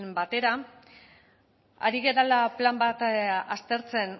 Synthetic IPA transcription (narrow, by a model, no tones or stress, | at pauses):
nbat̪e̞ɾa | a̰ɾiɣe̞ɾalaplambat̪ast̪e̞ɾt͡se̞n